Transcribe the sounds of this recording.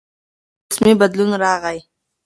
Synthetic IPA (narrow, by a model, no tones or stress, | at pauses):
smibad̪lunɾɑːʁaj